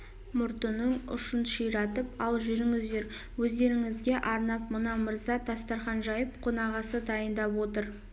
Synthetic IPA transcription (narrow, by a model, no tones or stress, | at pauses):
mʊɾt̪ənəɴʊ̰ʃənʃijɾɑt̪əpɑlˠʒʏɾɪŋɪzd̪e̞ɾ | wɵzd̪e̞ɾɪŋɪzɡʲe̞ʔɑɾnɑp̚mənɑməɾzɑt̪ʰɑst̪ɑɾχɑnʒɑjəp̚qʰonɑʁɑsəd̪ɑjənd̪ɑpwo̞t̪əɾ